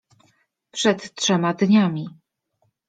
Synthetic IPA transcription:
pʂɛt̪tʂɛmad̪ɲamʲi

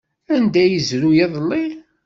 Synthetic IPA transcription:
ænd̪æjəzɾujeðˤlːi

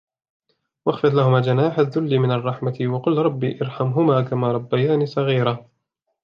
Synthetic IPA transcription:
wʔaxfɨðˤlahʊmaːd͡ʒanaːħaðːʊlːimɪnɑrˤːɑħmat̪wɑqʊlːɾˤɑbːḭːʔɑɾˤħamɦʊmaːkamaːɾˤɑbːajaːniːsˤɑɣiːɾa

